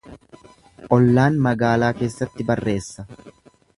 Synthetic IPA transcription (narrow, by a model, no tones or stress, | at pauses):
ʔɔlːaːnmɐɡaːlaːke̞ːsːɐt̪ːɪbɐrːe̞ːsːɐ